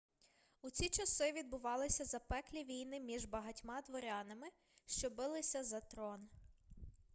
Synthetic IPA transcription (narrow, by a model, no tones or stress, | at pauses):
ut͡sʲit͡ʃɐsɪʋʲid̪̚bʊʋɑlˠɪsʲɐzɐpɛklʲiʋʲijnɪmʲiʒbɐɦɐtʲmɑd̪ʋɔɾʲɑnɐmɪ | ʃt͡ʃɔbɪlˠɪsʲɐzɐt̪ɾɔn